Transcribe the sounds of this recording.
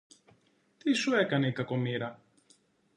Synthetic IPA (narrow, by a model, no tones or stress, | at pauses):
t̪isue̞kɐne̞ikɐko̞miɾɐ